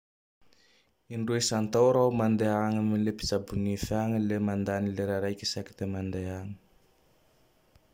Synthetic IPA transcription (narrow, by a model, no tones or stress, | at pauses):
iɳɖ͡ʐuesant̪awɾaumand̪eaŋamilepi̥t͡sabunifaŋəlemand̪anileɾaɾajkʲəsaki̥t̪emand̪eaŋə̥